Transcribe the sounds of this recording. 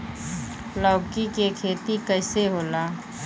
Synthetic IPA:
lɔːkikekʰeːt̪ikəɪseɦoːlaː

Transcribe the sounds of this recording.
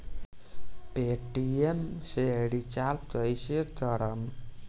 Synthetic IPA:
peʈiemseɽit͡ʃalp̚t̪əjset̪əɾəm

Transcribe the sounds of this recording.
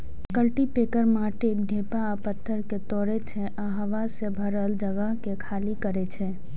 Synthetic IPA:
kəlʈipeːkəɾmaːʈeːk̚d̪ʱeːpa | pət̪ʰːəɾket̪ɔːɾet͡ʃʰeʔaɦʋasebʱəɾəld͡ʒəɡəɦkekʰaːlikəɾet͡ʃʰɛː

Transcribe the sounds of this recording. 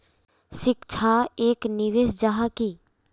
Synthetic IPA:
ʃɪkt͡ʃʰaeːknɪʋeːsd͡ʒaɦaki

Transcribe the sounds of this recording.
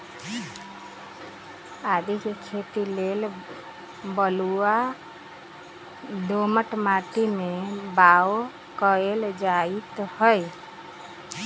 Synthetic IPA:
ad̪ikekʰet̪ilel | bəlua | d̪oməʈmaʈ̪imebao | kəeld͡ʒait̪həj

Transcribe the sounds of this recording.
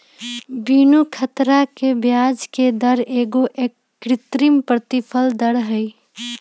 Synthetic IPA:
binukʰət̪ɾakebjad͡ʒked̪əɾeːɡoʔekːɾɪt̪ɾimpɾət̪ipʰəld̪əɽɦəj

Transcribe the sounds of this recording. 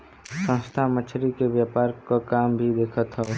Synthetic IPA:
sə̃nst̪ʰamət͡ʃʰɾikebjaːpaːɾkakaːmbʱid̪eːkʰət̪ɦɛ

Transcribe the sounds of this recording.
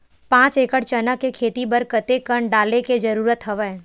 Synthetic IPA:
pãːt͡ʃeːkəʈt͡ʃənəkekʰeːt̪ibəɾkɐt̪ekəɳɖaːleked͡ʒɐɾuːɾət̪ɦɐʋə

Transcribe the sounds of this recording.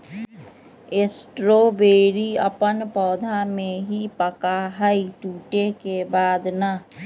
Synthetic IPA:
esʈɾobeːɾiə̰pənpɔːd̪ʱamẽɦipəkaɦəiʈuːʈekebaːd̪na

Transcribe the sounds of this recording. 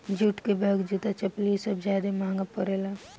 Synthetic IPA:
d͡ʒuʈkebəɡd͡ʒut̪at͡ʃɐpliːsəbd͡ʒaːd̪emãːŋɡapːəɾeːla

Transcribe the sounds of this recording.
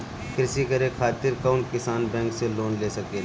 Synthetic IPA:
kɾɪsikəɾekʰaːt̪ɪɾkaʊnkɪsaːnbɛ̃ːŋkseloːnleːsɐkeː

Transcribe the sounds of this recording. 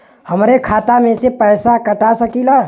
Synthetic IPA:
həmɾekʰaːt̪amẽsepɛːsakəʈasəkilaː

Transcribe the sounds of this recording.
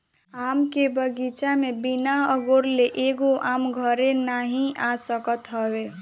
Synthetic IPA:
amkebəɡit͡ʃamebinaəɡoɾleʔeɡoʔamɡʱəɾenaɦĩʔasəkət̪ɦəbe

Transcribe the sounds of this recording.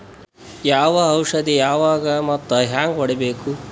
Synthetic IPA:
jaːʋɐːwʂɐd̪ijaːʋaːɡɐmɐt̪ːɐɦaːŋɡʋɔɽebeːku

